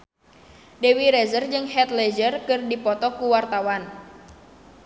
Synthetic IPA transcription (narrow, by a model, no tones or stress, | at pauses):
dewiɾɛzərd͡ʒɨŋhɛt̪lɛd͡ʒərkɨrdipɔt̪ɔkuwart̪awan